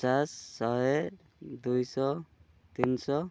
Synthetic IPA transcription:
asːɔɦe | d̪ujsɔ | t̪insɔ

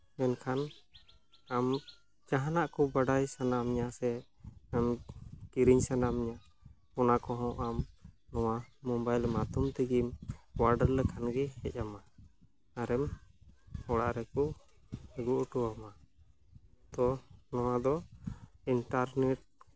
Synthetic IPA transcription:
mɛnkʰan | am | d͡ʒaɦanaʔkɔbaɖajsanamɲasɛ | amkiɾiɲsanamɲa | pɔnakɔɦɔ̃ʔamnɔwamɔmbajlmat̪umt̪ɛɡimwaɾɖəllɛkʰanɡɛhɛ̰c̚ˀama | aɾɛm | hɔɽa̰ʔɾɛkɔ | ɛɡuʔuʈɔwama | t̪ɔnɔwad̪ɔ | inʈaɾnɛʈ̚

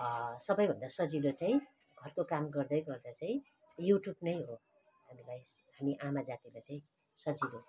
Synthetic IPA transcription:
sʌbʌjbʱʌnd̪asʌd͡zilot͡saĩ | ɡʱʌrkokamɡʌrd̪ʌjɡʌrd̪at͡saĩ | juʈjubnʌjɦo | ɦamilajɦamiʔamad͡zat̪ilat͡saĩ | sʌd͡zilo

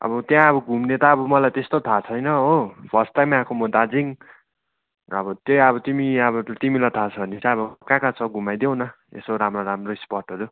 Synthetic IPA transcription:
ʌ̰bʌt̪jãʌbʌɡʱumnet̪aːbʌmʌlajt̪est̪ot̪ʰat͡sʰʌjnʌopʰʌrsʈajmãkʰomʌd̪ad͡ziŋ | ʌbʌt̪jojʌbʌt̪imiʌbʌt̪imilʌt̪ʰat͡sʰʌʌnisaʌbʌkãkat͡sʰʌɡʱumajd̪jew̃nʌ | ḛsoɾamroɾamroispʌrʈʌɾu

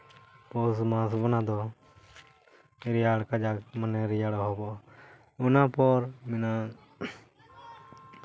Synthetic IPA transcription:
pɔːsmãːs̬bɔnãd̪ɔ | ɾɪjaːɽkad͡ʒamənɛɾijaɽɔɦɔbɔ | ʊnapɔːɾmɪna

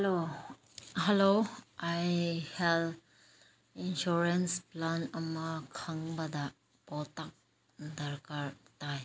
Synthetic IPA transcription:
lo | heloajhɛl | inʃuɾensplanɐmakʰaŋbɐda | pɔtak̚ | dɐɾkaɾtaj

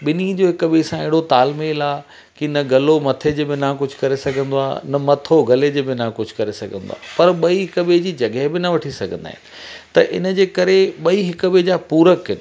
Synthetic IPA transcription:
ɓɪnid͡ʑoːɦɪkɓesãɪɦɪɽot̪aːlmeːlaː | kɪnɐɡɐlomɐt̪ʰed͡ʑeːbɪnãkʊd͡ʑʱʊkɐɾesɐɡʱə̃nd̪oaːnɐmɐt̪ʰoɡɐled͡ʑeːbɪnakʊd͡ʑʱʊkɐɾesɐɡʱə̃nd̪o̰a̰ːpɐɾɓɐiɦɪkəɓed͡ʑiːd͡ʑɐɡeɦbɪnɐʋɐʈʰisɐɡʱə̃nd̪a̰ːɦɪnɪ̆t̪ɐʔɪ̰nə̆d͡ʑeːkɐɾeɓɐiɦɪkɓed͡ʑaːpuːɾəkɦɪnɪ

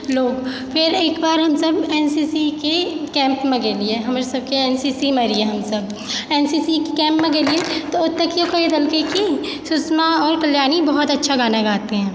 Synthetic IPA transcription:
loːɡ | fʰɪɾeːkbaːɾɦɐmsɐbɛːnsiːsikekɛ̃ːmpmẽɡeːlieɦɐmaːɾesɐb̚keɛːnsiːsimeɾieɦɐmsɐb̚ | ɛːnsiːsikikɛ̃ːmpmẽɡeːliet̪oʊd̪̚t̪ːɐkjokɐed̪ɐlkeki | sʊsmaɔːɾkɐljaːnibɐɦʊt̪ɐtːʃʰaɡaːnaɡaːt̪eɦɛ̃ː

